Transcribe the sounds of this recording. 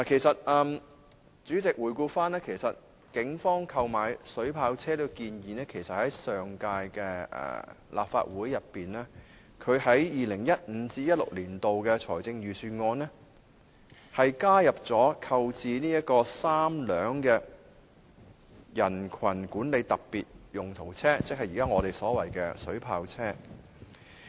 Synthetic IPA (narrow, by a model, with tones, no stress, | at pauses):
laː˨˩kʰe˨˩jsɐ˨t̚ɛː˨m | t͡syː˨˥t͡sɪ˨k̚wuː˨˩jkuː˧faː˥nɛː˥kʰe˨˩jsɐ˨t̚ | kɪ˨˥ŋfɔː˥ŋkʰɐ˧wmaː˨jsɵ˨˥ɥpʰaː˨˧wt͡sʰɛː˥lo˧kiː˧njiː˨nɛː˥kʰe˨˩jsɐ˨t̚hɐ˨˥jsœː˨ŋkaː˧jkɛː˧ʔɛ̰ː˨˩lʔa̰ː˨p̚fa̰ː˧t̚wuː˨˥jːɐ˨pːiː˨nɛː˥ | kʰɵ˨˧ɥhɐ˨˥jjiː˨˧lɪ˨˩ŋjɐ˥t̚ŋ̩˨˧˥t͡siː˥jɐ˥t̚lʊ̰˨˩k̚liː˨˩nt̪o˨wkɛː˧t͡sʰɔ̰ː˨˩jt͡sɪ˧ŋɥyː˨syː˧ŋɔː˧nɛː˥ | hɐ˨jkaː˥jɐ˨p̚t͡sɔː˨˥kʰɐ˧wt͡siː˨niː˥jɐ˥t̚kɔː˧saː˥mlœː˨˧ŋkɛ˧ | jɐ˨˩nkʰɐ˨˩nkuː˨˥nle˨˧jt̪ɐ˨k̚piː˨t̚jʊ˨ŋt̪ʰo˨˩wt͡sʰɛː˥t͡sɪ˥k̚hɐ˨jiː˨˩kaː˥ŋɔː˨˧t̪e˨jsɔː˨˥wɐ˨˩jkɛ̰ː˧sɵ˨˥ɥpʰaː˧wt͡sʰɛː˥